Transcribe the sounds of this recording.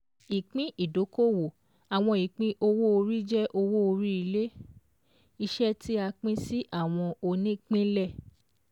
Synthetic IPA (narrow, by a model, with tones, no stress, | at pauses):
i˨k͡pĩ˦ʔi˨do˨˦ko˦wo˨ | a˨w̃ɔ̃˧i˨k͡pĩ˦ʔo˧wo˦o˧ɾi˦d͡ʒɛ˦ʔo˧wo˦o˧ɾi˦i˧le˦ | i˧ʃɛ˦tʰi˦a˧k͡pĩ˦si˦ʔa˦˨w̃ɔ̃˧o˧nĩ˦k͡pĩ˦lɛ˦˨